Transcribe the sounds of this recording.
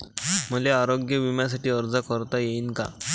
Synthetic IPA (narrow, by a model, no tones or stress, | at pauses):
m̤əleaɾoɡjəʋimjas̬aʈiːəɾd͡zakəɾt̪ajeiːnka̰